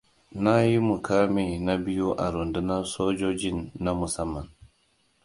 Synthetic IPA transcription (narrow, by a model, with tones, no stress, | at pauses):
na˦ji˦mu˨ka˦mi˨na˦bi˦ju˦ʔa˨ɾu˨ndu˦na˦sɔː˦d͡ʒo˦d͡ʒi˦nːa˦mu˨sa˦mːa˨n